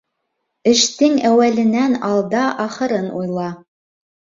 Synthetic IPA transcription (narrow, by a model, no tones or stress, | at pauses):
ɘ̆ʃt̪ɘŋæwælɘ̆nænɑlˠd̪ɑʔɑχɤ̆ɾɤnṵjlˠɑ